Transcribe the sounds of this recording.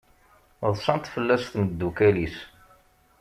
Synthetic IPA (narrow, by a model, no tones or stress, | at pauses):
ðˤsɑnt̪fəlːæsθməd̪ːukælis